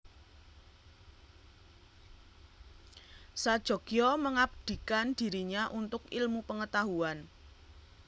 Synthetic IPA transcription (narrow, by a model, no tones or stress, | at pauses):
sad̥ʒ̥ɔ̤ɡ̥jɔməŋab̚d̪̥i̤kand̥i̤ɾiɲaʔunt̪ʊkɪlmupəŋət̪aɦuan